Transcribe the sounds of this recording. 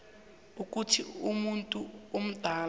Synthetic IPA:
uk̬ʼutʰiumuntʼuom̩d̥ʱaːl

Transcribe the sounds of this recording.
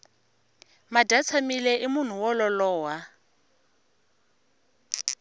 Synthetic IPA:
madʱat͡sʰamilɛʔimʊn̤uwɔlɔlɔːwa

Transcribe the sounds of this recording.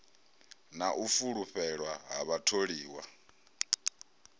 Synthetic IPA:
naʔufuɺuɸʰɛɺwaɦaβatʰoɺiːwa

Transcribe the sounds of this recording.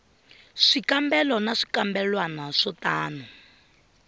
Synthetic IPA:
ʂikambɛlɔnaʂi̥kambɛlwanaʂɔtaːnu

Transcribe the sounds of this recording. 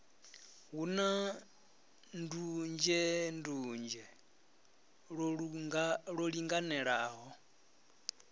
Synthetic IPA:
ɦuna | ndund͡ʒɛndund͡ʒɛ | ɺɔɺiŋɡanɛɺaːɦɔ

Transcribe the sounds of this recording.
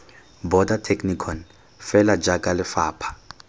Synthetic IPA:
bɔdatʰeknikʰɔn | fɛlad͡ʒakʼalɪfaːpʰḁ

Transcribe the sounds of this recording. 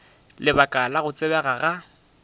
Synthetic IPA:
lɪbakʼalaɣʊt͡sʼɪbɛɣaɣa

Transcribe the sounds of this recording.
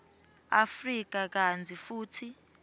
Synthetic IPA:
afrik̬akand͡zʱifuːtʰi

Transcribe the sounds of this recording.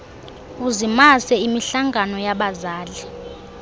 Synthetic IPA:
uzimasɛimiɬaŋɡʱanɔjaɓazaːli

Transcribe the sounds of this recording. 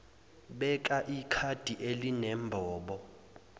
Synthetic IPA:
ɓɛk̬ʼaʔikʰad̥ʱiʔelinɛmbʱɔːɓɔ

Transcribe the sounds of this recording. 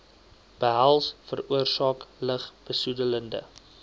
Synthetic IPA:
b̥əɦælˠsfəruərsɑːkləχb̥əsudələndə

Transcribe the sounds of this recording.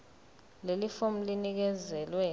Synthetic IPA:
lelifom̩linik̬ɛzɛlwɛ

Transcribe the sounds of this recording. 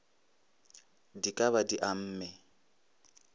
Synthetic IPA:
dikʼaβadiʔam̩ːmɛ

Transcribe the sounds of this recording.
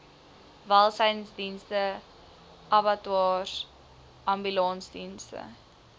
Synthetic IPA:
vɐlˠsəjnsdinstə | ʔɐbɐtuɑːr | ʔɐmbylɑnsdinstə̰

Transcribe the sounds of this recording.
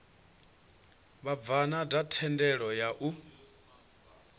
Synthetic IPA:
βab̪vanadatʰɛndɛɺɔjaʔu

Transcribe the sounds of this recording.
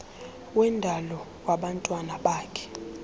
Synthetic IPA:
wɛndʱalɔ | waɓantʼwanaɓaːkʰɛ̥

